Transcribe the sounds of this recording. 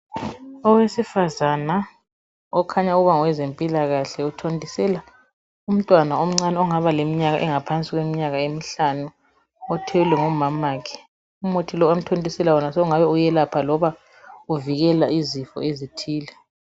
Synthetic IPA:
ɔwesifazana | ɔkʰaɲauɣuβaŋɔwɛzempʼilaɣaɬɛutʰontʼisɛla | um̩tʼwanaom̩ŋ͡ǀanaɔŋaβalemiɲaɣaʔɛŋapʰant͡sʼiɣwemiɲaɣaemiɬanu | ɔtʰɛwulɛŋumamaːkʰɛ̥ | umotʰilɔam̩tʰondʼisɛlawɔnasɔuŋaβɛujɛlapʰalɔβa | uviɣɛlaizifɔ̰ezitʰiːlɛ

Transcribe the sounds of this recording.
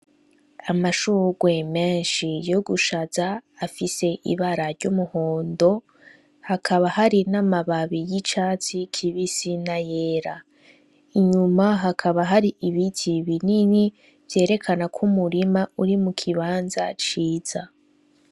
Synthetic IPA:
amaʃuɡwe̞me̞ːnʃijo̞ɡuʃazaːfise̞ʔḭβaɾaɾɟumuho̞ːndo̞ | hakʰaβahaɾinamaβaβijit͡ʃaːt͡sikʰiβisinaje̞ːɾa | iɲumaɦakʰaβaɦaɾiʔiβitʰiβinini | v̥je̞ːɾe̞kʰanakʰumuɾimauɾimukʰiβaːnza̰t͡ʃiːz̥a

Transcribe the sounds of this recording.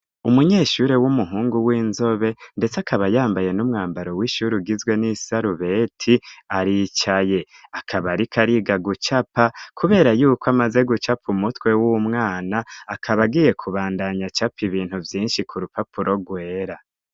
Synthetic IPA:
umuɲeːʃuːɾe̞wumuɦuːŋɡuwiːnzo̞βe̞nde̞t͡sakʰaβajaːmbaje̞numŋaːmbaɾo̞wiʃuɾiɡizɡwe̞nisaɾuβe̞ːtʰiaɾit͡ʃaje̞ | akʰaβaɾikʰaɾiɡaɡut͡ʃapakʰuβe̞ːɾajuːkoamaze̞ɡut͡ʃapumutwe̞wumŋaːnaːkʰaβaɡije̞kʰuβaːndaɲat͡ʃapiβiːnhuvjiːnʃikʰuɾupapuɾʔo̞ɡwe̞ːɾa

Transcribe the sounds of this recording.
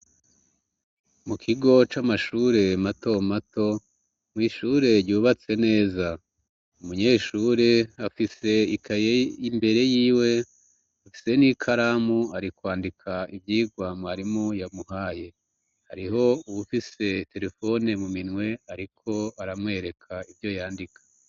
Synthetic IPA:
mukʰiɡo̞t͡ʃamaʃuːɾe̞mato̞mato̞ | mwiːʃuːɾe̞ɾɟuːβat͡se̞ne̞ːza | umuɲeːʃuːɾe̞afise̞ikʰajeimbe̞ɾe̞jiːwe̞ | afi̥se̞nikʰaɾamuaɾikwaːndikʰaibjiːɡwaːmwaaɾimojamuhaːje̞ | ha̰ɾiɦo̞uβufise̞te̞ɾe̞fo̞ne̞muminŋwe̞aɾikʰo̞aɾamwe̞ːɾe̞kʰaivjo̞jaːndikʰḁ

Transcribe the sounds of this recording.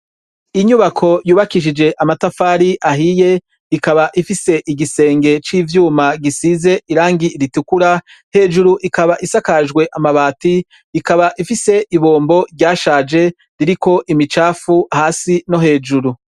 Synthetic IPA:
iɲuβakʰo̞juːβakiʃ̬id͡ʒe̞ʔamatafaːɾiʔaɦije̞ | ikaβaʔifise̞ʔiɡise̞ːŋɡe̞t͡ʃiːvjuːmaɡisize̞ʔiɾaːŋɡiɾitukuɾa | he̞ːd͡ʒuɾuʔikaβaʔisakaʒɡwe̞ʔamaβaːti | ikaβaʔifise̞ʔiβo̞ːmbo̞ɾɟaːʃaːd͡ʒe̞ | ɾiɾiko̞ʔimit͡ʃaːfuahaːsino̞ɦe̞ːd͡ʒuɾu

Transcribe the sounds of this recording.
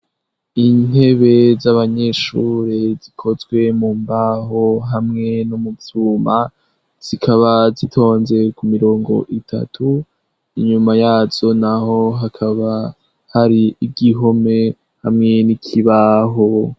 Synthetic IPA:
in̥e̞βe̞zaβaɲe̞ʃuːɾezikʰo̞zɡwe̞mumbaɦoɦamŋe̞nomuvz̥uːma | z̥ikʰaβazitʰo̞ːnze̞kumiɾo̞ːŋɡo̞̰ʔitʰa̰tʰu | iɲumajaːz̥o̞naho̞ɦakʰaβa | haɾiiɡiɦo̞me | hamŋe̞nikʰiβaɦo

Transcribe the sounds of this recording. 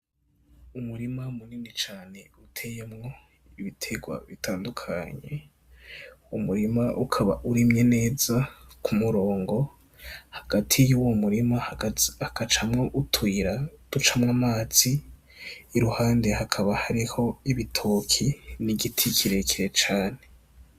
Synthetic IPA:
umuɾimamuninit͡ʃaːne̞utʰe̞jemŋo̞ | iβitʰe̞ɡwa̰βitʰaːndukʰa̰ɲe̞ | umuɾimaʔukʰaβa̰ʔuɾimɲe̞ne̞ːz̥akʰumuɾo̞ːŋɡo̞ | haɡ̥atʰijuwomuɾimahhakat͡ʃamŋoʔutwiːɾad̥ut͡ʃamŋamaːz̥iː | ɾuhaːnde̞hakʰaβahaɾiho̞iβitʰokʰiniɡitʰikʰiɾe̞kiɾe̞t͡ʃaːne̞

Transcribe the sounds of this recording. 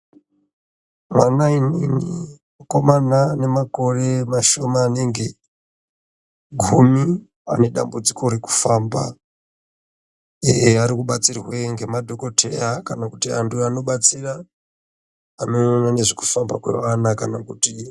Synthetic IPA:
manaininimako̞manane̞mako̞re̞maʃo̞maːne̞ŋɡe̞ | ɡʱumi | a̰ne̞ɗa̰mbud͡zikoɾeku̥faːmba̰ | eaɾikuɓat͡sirweŋɡe̞madʱo̞ko̞tʰe̞jakanakutia̰nduano̞ɓat͡sira | ano̞onane̞ʐiku̥famba̰kwḛʋanakanakuti

